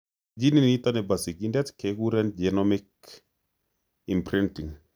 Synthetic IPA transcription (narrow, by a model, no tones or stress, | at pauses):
d͡ʒininit̪ɔnɛbasikindɛtkekuɾɛnd͡ʒenɔmik | impɾintiŋ